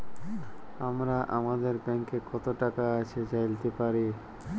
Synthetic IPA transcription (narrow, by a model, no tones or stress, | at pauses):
amɾaʔamad̪eɾbɛŋkekɔt̪oʈakaaʃʰet͡ɕajlt̪epaɾi